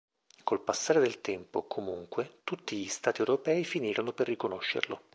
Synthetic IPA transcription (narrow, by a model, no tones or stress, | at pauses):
kolpasːaːɾed̪elt̪ɛmpokʰomuŋkwet̪ut̪ːiʎist̪aːt̪iɛwɾopɛːifiniːɾonoperːikonoʃːḛrlo̰